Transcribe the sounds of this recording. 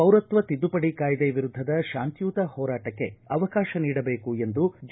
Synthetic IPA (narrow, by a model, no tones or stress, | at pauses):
ɐwɾɐt̪ʋɐt̪id̪upɐɽikaːjd̪eʋiɾud̪ʱːɐd̪ɐʃaːnt̪juːt̪ɐhɔːɾaːʈɐkːe̞̰ɐʋɐkaːʃɐniːɽɐbe̞ːkue̞nd̪ud͡ʒ